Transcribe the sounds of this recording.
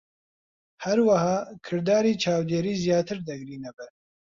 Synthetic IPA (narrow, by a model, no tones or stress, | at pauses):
hɛɾwahɑːkʰɨɾd̪aːɾiːt͡ʃʰaːwd̪eːɾiːzijaːt̪ʰɨɾd̪ɛɡɾiːnɛbɛ